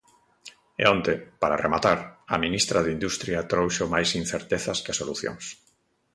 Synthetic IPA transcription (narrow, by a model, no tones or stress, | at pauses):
ḛont̪epaɾaremat̪aɾɐ̰minist̪ɾaðind̪ust̪ɾjat̪ɾowʃomajsin̟θeɾt̪eθɐskasoluθjo̰ŋs